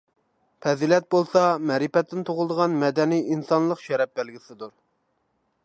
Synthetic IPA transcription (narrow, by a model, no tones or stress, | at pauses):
pʰɛzilɛt̪̚bolˠsɑmɛɾipɛt̪ʰːɪnt̪ʰoʁlˠd̪əʁɑnmɛd̪ɛnijinsɑnlˠəqʃɛɾɛp̚bælɡʲisɪd̪uɾ